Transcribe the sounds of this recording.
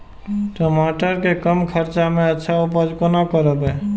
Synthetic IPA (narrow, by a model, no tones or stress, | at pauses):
ʈomaʈəɾkekəmkʰəɾt͡ʃamẽətːʃʰaupəd͡ʒkonakəɾəbe